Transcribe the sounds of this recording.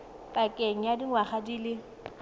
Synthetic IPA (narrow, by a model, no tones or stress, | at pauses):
pʼakʼeŋ̩jadiŋwaχadiːlɪ